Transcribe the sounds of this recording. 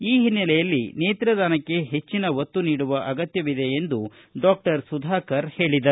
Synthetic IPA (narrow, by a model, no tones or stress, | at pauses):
iːɦinːɐlɛjɐlːineːt̪ɾɐd̪aːnɐkːe̞ɦe̞t͡ʃːinɐʋɐt̪ːuniːɽuʋɐʔɐɡɐt̪jɐʋid̪e̞ːnd̪u | ɖaːk̚ʈɐɾsud̪ʱaːkɐɾhe̞ːɭid̪ɐɾu